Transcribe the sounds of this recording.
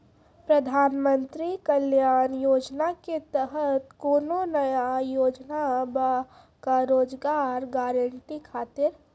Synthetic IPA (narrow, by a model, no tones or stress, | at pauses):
pɾəd̪ʱaːnmə̃nt̪ɾikəljaːnjoːd͡ʒnaket̪əɦət̪koːnonɐjajoːd͡ʒnaba | kaɾoːd͡ʒɡaːɾɡaːɾəɳʈikʰaːt̪ɪɾ